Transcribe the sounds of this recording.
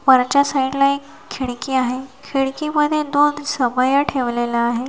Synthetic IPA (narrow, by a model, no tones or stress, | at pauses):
ʋəɾt͡ɕasaiʈlaekʰːiɭkiːaɦekʰiɽkiməd̪ʱjed̪onsəbəjaʈʰeʋlelaːɦe